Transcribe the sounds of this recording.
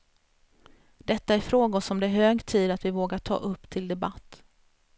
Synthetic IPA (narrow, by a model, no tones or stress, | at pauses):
d̪̥ɛt̪ːaæɾfɾoːɡaɔsɔmd̪ɛːɾɦøːɡt̪ʰiːd̪at̪vɪvoːɡaʈʰɑ̰ːʔɵpːt̪ʰɪld̪ɛbat̪ː